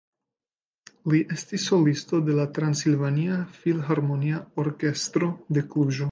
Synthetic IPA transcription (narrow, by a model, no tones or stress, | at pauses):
liʔe̞stisːo̞listo̞d̪e̞latɾansilvaniafilɦaɾmo̞niaoɾke̞stɾo̞de̞kɾuʒo